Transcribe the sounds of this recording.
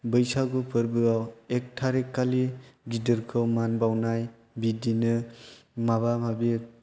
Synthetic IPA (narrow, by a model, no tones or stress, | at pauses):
bɯjsaɡupʰɯɾbɯawek̚tʰaɾekːaliɡidɯɾkʰɯwmanbawnaj | bidinɯmaβamabi